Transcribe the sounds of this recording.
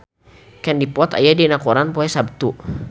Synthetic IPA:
kɛndipɔt̪a̰jadinakoɾanpɔɛsab̚t̪u

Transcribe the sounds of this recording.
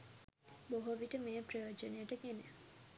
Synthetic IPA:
boɦoʋiʈəmeːpreʋɐd͡ʒɐnejəʈəɡene

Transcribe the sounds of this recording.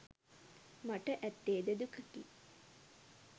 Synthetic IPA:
maʈəʔæt̪ːeːd̪əd̪ukəki

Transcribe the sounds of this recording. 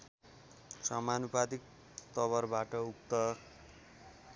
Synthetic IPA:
samanupad̪ik̚ | t̪ʌβʌrbaʈʌukt̪ʌ

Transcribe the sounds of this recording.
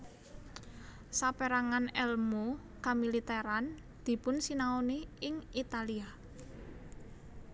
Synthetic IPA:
sapeɾaŋanɛlmo | kamilit̪eɾan | d̪̥i̤pʊnsinaoniɪŋit̪alia

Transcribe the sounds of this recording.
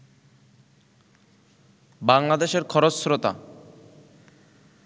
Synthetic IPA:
baŋlad̪eʃeɾkʰɔɾotsɾot̪a̰

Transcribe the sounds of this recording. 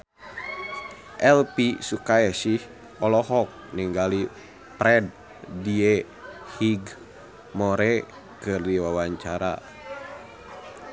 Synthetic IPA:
ʔɛlpisukaɛsih | ɔlɔɦɔk̚niŋɡali | pɾɛd̚ | diɛ | hiɡ | mɔɾɛ | kɨrdiwawaɲt͡ʃaɾa̰

